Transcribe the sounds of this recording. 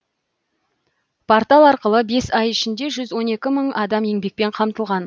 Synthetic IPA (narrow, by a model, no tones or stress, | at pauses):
pʰort̪ɑlˠɑɾqəlˠəbe̞sɑjɪʃɪnd̪e̞ʒʏzwo̞ne̞kʲɪməɴɑd̪ɑme̞ŋbe̞k̚pe̞ɴqʰɑmt̪əlˠʁɑn